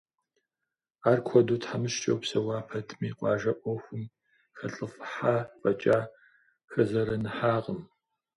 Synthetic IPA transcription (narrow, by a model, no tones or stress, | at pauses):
aːrkʷʰɔduːtħamɨʃt͡ʃʼɐwpsɐwɑːpʰɐtʰmiːqʷʼɑːʒɐʔʷɔxʷʊm | xɐɬʼɨfħaːfʼɐt͡ʃʼaː | xɐzɐɾɐnɨħaːqəm